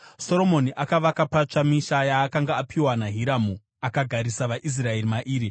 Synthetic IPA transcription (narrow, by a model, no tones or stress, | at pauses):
so̞ɾo̞mo̞niʔakaʋakapat͡ʂamiʃajaːkaŋɡaːpʰiwanaɦiɾamu | akaɡʱaɾisaʋaʔis̬rae̞rimaʔiːɾi